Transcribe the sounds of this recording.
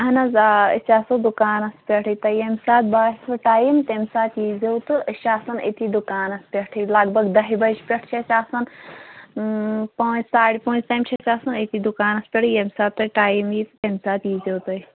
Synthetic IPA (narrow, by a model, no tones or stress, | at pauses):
ɐɦɐnɐzaə̰sʲaːsɨd̪ukaːnɐspʲeʈʰit̪ɐjemʲsaːt̪̚baːsɨʈaːjimt̪emʲsaːt̪jizewt̪ɨəʃaːsɐnḛt̪id̪ukaːnɐspʲeʈʰilaɡbɐɡd̪ɐɦibɐʃpʲeʈʰt͡ʃʰesʲaːsɐn | poːt͡ʃsaːɽʲpõːt͡ʃt̪aːjmt͡ʃʰesʲaːsɐnet̪id̪ukaːnɐspʲeʈʰɨjemʲsaːt̪̚t̪ɐʈaːjimjit̪ɨt̪ʲemʲsaːt̪jiːzewt̪ɨi